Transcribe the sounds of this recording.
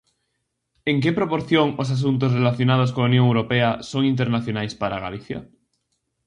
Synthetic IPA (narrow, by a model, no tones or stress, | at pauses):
eŋkepɾopoɾθjoŋos̬as̬unt̪̬osrelaθjonað̞os̬koaunjõŋewɾopeasoŋint̪̬eɾnaθjonajspaɾa̰ɣa̰liθja̰